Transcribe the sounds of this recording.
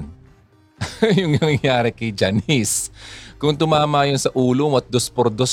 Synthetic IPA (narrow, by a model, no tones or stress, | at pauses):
n | jʊŋnɐŋɐŋjaːɾɛkɐjd͡ʒaniskʊŋt̪ʊmaːmaʔjonsɐʔuːlowɐt̪̚d̪ospoɾd̪os